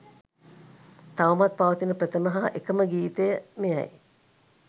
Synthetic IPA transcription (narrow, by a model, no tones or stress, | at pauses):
t̪aʋəmat̪̚paʋət̪inəpɾət̪əməɦaʔekəməɡiːt̪ejəmijɐ̰j